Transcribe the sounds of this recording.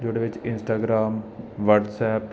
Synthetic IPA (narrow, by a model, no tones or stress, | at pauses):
d͡ʒoːɽeʋɪt͡ʃɪnsʈaːɡɾaːmʋəɾʈsɛːp